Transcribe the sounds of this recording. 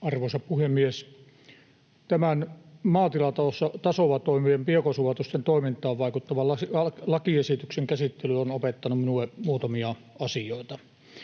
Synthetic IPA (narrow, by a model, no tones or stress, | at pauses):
ɑrʋosɑppuhemːies | t̪æmænmɑːt̪ilɑt̪ɑlosːɑt̪ɑsoʋɑt̪oˑimiempiekosuʋɑt̪ust̪ent̪oˑimint̪ˑɑːʋʋɑˑikut̪ːɑʋɑlɑsɑlɑkiesit̪ykseŋkæsit̪ːelyonopet̪ːɑnumminuˑemuːt̪ɑmiɑ | ɑsioˑit̪ɑ